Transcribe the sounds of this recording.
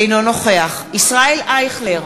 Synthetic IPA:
ejnono̞χe̞aχ | isʁaelaeχleʁ

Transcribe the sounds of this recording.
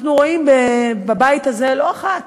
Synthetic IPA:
χnuʁo̞imbebabait̪aze̞lo̞aχat

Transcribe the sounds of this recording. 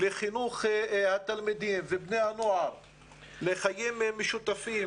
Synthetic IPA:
leχinuχhat̪almid̪imvebnehanoaɾ | leχajimmːeʃut̪afi

